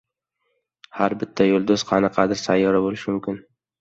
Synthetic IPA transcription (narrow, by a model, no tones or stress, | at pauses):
haɾbɪt̪ʰːajolˠd̪oz̥qʰɑnɪqʰɑd̪ɪɾsajːɒɾabolɪʃɪmʊmkʲɪn